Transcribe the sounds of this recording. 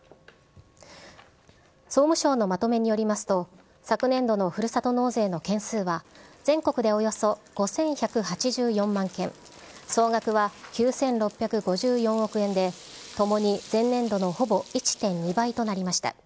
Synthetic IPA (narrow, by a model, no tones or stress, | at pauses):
so̞ːmɯ̟ɕo̞ːno̞mat̪o̞me̞ɲ̟ijo̞ɾʲimasɨ̥t̪o̞ | sakɯ̟nẽ̞nd̪o̞no̞ɸɯ̟ɾɯ̟sat̪o̞no̞ːze̞ːno̞kẽ̞ɰ̃sɨːβaz̥ẽ̞ŋko̞kɯ̟d̪e̞o̞jo̞so̞ɡ̥o̞sẽ̞ɰ̃çakɯ̟hat͡ɕiʑɨːjõ̞mːãŋkẽ̞ŋ | so̞ːɡakɯ̟βakʲɨːsẽ̞nɾo̞pʲːjakɯ̟ɡo̞ʑɨːjõ̞ɰ̃o̞kɯ̟ẽ̞nd̪e̞ | t̪o̞mo̞ɲ̟izẽ̞nːẽ̞nd̪o̞no̞ho̞bo̞it͡ɕi̥t̪ẽ̞ɲ̟ɲibait̪o̞naɾʲimaɕi̥t̪a̰